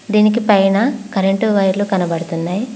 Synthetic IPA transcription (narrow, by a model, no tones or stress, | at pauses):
d̪iːnik̬ipɐjnakɐɾeɳʈuʋɐjɾlukɐnɐbɐɽut̪unːaːji